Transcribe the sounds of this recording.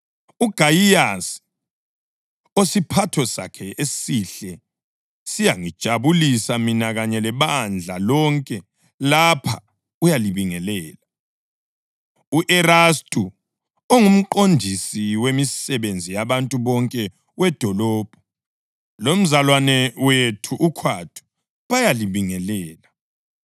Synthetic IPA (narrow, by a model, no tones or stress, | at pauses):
uɡ̥ʱajias | osipʰatʰɔsa̰kʰɛʔesiɬɛ | sijaŋid̥ʒ̥ʱaβulisaminaɣaɲɛlɛβand͡ɮʱalɔŋkʼɛ | lapʰa̰ | ujaliβiŋɛlɛːla | uʔɛɾastʼu | oŋum̩ǃondʱisiwemisɛβend͡zʱijaβantʼuβɔŋkʼɛ | wɛd̥ʱɔlɔːb̥ʱɔ | lom̩zalwanɛwetʰuʔukʰwatʰu̥ | βajaliβiŋɛlɛːla